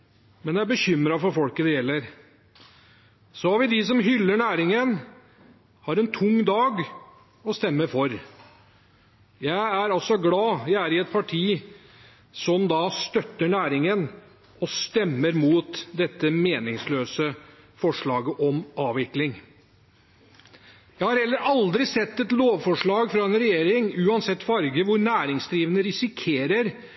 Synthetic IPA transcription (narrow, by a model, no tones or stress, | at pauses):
mɛnjææbəçʏmɾɑfɔɾfɔlkəd̪ɛjɛlːəɾ | sɔhɑɾʋɪd̪ɪs̬ɔmɦʏlːəɳæːɾɪŋən | hɑːɾɛnt̪ʰʊŋːd̪ɑːɡ | ɔst̪ɛmːəɾfɔɾ | jæɪæɾɑlsɔɡlɑːjæɪæɾɪɛt̪̚pʰɑʈʰiː | sɔmd̪ɑst̪œt̪ːəɳæːɾɪŋən | ɔst̪ɛmːəɾmuːt̪d̪ɛt̪ːəmeːnɪŋsløːsə | fɔʂɭɑːɡəʔɔmɑːʋʋɪklɪŋ | jæɪhɑɾhɛlːəɾɑld̪ɾɪsɛt̪ːɛt̪loːʋfɔʂɭɑːɡfɾɑɛnɾɛjeːɾɪŋʉːɑnsɛt̪ːfɑɾɡəʋʊɾnæːɾɪŋsd̪ɾiːʋənəɾɪsɪkʰeːɾəɾ